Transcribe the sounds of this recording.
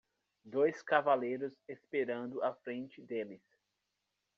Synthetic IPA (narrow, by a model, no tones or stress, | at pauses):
d̪ojskavalejɾʊzespeɾɐ̃nd̪ʊʔafɾẽnt͡ʃɪd̪elɪs